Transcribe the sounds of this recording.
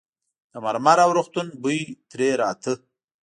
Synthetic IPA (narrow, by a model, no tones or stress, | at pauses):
d̪̥əmaɾmaɾawɾʊχt̪unbujt̪ɾeɾaːt̪ʰə